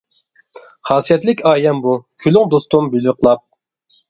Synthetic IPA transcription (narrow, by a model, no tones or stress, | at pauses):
χɑːsijɛt̪lɪkʲɑːjɛmbukʲʰylyŋd̪ost̪umbylwɪqʰlˠɑp̚